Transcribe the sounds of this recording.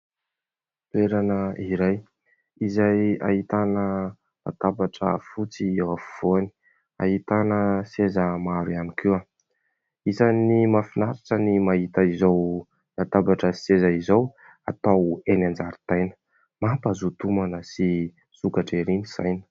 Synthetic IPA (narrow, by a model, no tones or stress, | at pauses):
lueɾanəiɾaj | izaja̰ɦit̪anə | na̰t̪abaʈ͡ʂəfut͡siewafuv̥oani̥ | a̰ɦit̪anəsezəmaɾianikʰiwa | izanimafinaɾiʈ͡ʂənimaɦit̪əizow | nat̪abaʈ͡ʂəsezaizow | a̰t̪awenand͡zaɾit̪ajnə̥ | mapazut̪umanəsi | sukaʈ͡ʂeɾiniz̥ajnə̥